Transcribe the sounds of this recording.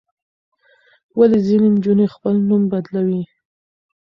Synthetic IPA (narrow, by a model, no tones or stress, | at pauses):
walezinend͡ʒunexpəlnumbad̪lawi